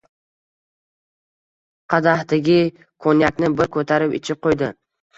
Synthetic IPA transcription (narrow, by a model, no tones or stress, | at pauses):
qʰɑd̪ahd̪aɡʲɪ | kʰonjakʲnɪbɪɾkʰɵt̪ʰaɾɪpɪ̰t͡ʃʰɪp̚qojd̪ɪ